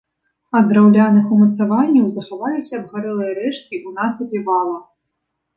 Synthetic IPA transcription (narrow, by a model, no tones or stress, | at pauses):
ɐd̪ɾawlʲanɨxumɐt̪savanʲːɐwzɐxavalʲisʲɐbɣaɾɛlˠɨjɐɾɛʂt̪̚kʲiʔunasɐpʲivalˠɐ